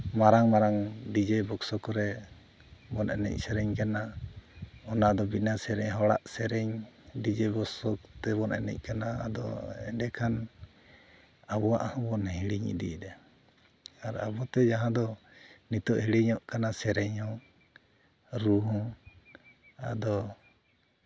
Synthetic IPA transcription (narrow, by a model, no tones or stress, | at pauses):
maɾaŋmaɾaŋɖid͡ʒɛbɔksɔkɔɾɛ | bɔnɛ̰nɛ̰c̚sɛɾɛɲkana | ɔnad̪ɔbinasɛɾɛɲɦɔɽa̰ʔsɛɾɛɲɖid͡ʒɛbɔsɔkt̪ɛbɔnʔɛ̰nɛ̰c̚ˀkanaa̰d̪ɔ̰ɛɖɛkʰan | abɔwaʔhɔ̃bɔnɛɦiɽiɲḭd̪ḭd̪ɛ | aɾa̰bɔt̪ɛd͡ʒaɦãd̪ɔnit̪ɔʔhiɽɛɲɔʔkanasɛɾɛɲhɔ̃ | ɾuɦɔ̃ | a̰d̪ɔ